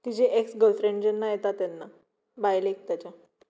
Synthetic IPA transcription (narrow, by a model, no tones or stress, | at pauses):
t̪id͡ʑeʔeksɡəlfɾẽɳɖd͡ʑənːajet̪at̪anːa | bajlek̚t̪jat͡ɕa